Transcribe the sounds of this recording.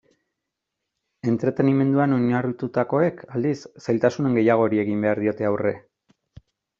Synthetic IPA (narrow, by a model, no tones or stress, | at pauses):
e̞nt̪ɾe̞t̪e̞nime̞nd̪uano̞ɲarut̪ut̪ako̞e̞kald̪issajlt̪asune̞ŋɡe̞jaɣ̞o̞ɾie̞ɣimbe̞aɾðio̞t̪e̞awre̞